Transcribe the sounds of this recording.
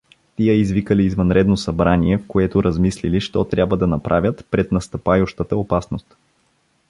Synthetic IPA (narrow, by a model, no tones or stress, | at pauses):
t̪ijəizvikəliːzvɐnɾɛd̪nosɐbɾaniɛfkoɛt̪oɾɐzmisliliʃt̪ɔt̪ɾʲjabvəd̪ɐnɐpɾʔavʲjət̪pɾɛt̪nɐst̪ɐpajʊʃt̪ət̪əopasnost̪